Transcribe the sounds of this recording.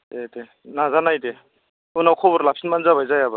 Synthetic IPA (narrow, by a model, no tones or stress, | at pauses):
ete | nazanajde | unawkʰɔbɔɾlap̚sinmanzabajzajaba